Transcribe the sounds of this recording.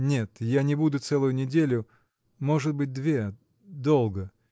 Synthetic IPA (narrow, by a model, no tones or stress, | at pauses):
nʲe̞t̪janʲɪbud̪ʊt̪sɛlˠʊjʊnʲɪdʲelʲʊ | mo̞ʐɨt̪̚bɨt̚ʲd̪vʲe | d̪o̞lˠɡə